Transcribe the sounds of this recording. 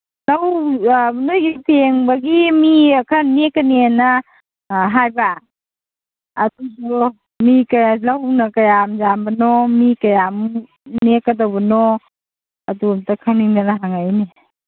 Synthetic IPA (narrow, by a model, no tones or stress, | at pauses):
law | nojɡipeŋbaɡimiakʰanekanena | ɦajba | dusɔ | mikajalawnakajamzambanɔmikajam | nekadawbanɔ | adumtakʰawniŋnanaɦaŋajne